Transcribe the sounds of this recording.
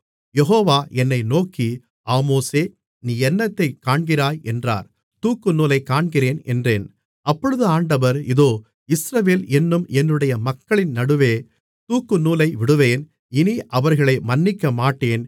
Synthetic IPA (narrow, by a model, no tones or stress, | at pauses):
jɛɦoːʋaːʔɛnːɐɪnoːki | ʔaːmoːseː | niːɛnːɐt̪ːɐɪkːaːɳɡɪraːjɛndra̰ːɾ | t̪uːkːɯnuːlɐɪkːaːɳɡɪreːnɛndreːn | ɐpːɔɻɯðɯaːɳɖɐʋɐɾɪðoː | ɪsɾɐʋeːlɛnːɯmɛnːɯɽɐjɐmɐkːɐɭɪnnɐɽɯʋeː | t̪uːkːɯnuːlɐɪʋɪɽɯʋeːn | ɪniʔɐʋɐɾɣɐɭɐɪmɐnːɪkːɐmaːʈːeːn